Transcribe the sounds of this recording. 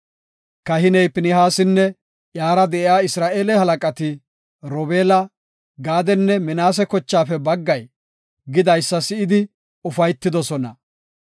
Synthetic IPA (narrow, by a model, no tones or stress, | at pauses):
kɐhɪnɛjpɪnɪɦaːsɪnːɛ | jaːɾɐd̪ɛʔɪaːɪsɾaːʔeːlɛhɐlɐkʼɐt̪ɪ | ɾɔbeːlɐ | ɡaːd̪ɛnːɛmɪnaːs̬ɛkɔt͡ʃːaːfɛbɐɡːɐj | ɡɪd̪ɐjsːɐsɪɪd̪ɪ | ʊfɐjt̪ːɪd̪ɔsɔnɐ